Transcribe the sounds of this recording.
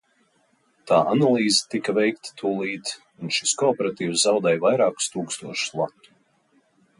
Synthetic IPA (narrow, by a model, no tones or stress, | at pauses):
t̪aːʔanalˠiːze̥t̪ikɐvɛjk̚t̪ḁt̪ʰuːlˠiːt̪z | unʃi̥skɔːpeɾat̪iːwszawd̪ɛjvajɾaːku̥st̪uːkst̪uɔʃʊ̥slˠat̪ːu̥